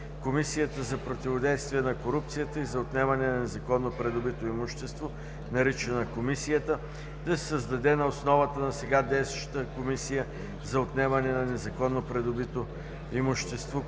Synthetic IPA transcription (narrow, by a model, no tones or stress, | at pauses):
komisijət̪əzɐpɾot̪ivod̪ɛjst̪vijɛnɐkoɾup̚t̪sijət̪əizɐot̪nɛmɐnɛnɐnɛzɐkɔnːopɾɛd̪ʊbit̪oimʊʃt̪ɛst̪vo | nɐɾit͡ʃɛnɐkomisijət̪ə | d̪ɐsɛ̥səzd̪ɐd̪ɛnɐosnɔvət̪ənɐsɛɡad̪ɛst̪ʃt̪əkomisijə | zɐot̪nɛmɐnɛnɐnɛzɐkɔnːopɾɛd̪ʊbit̪o | imʊʃt̪ɛst̪vo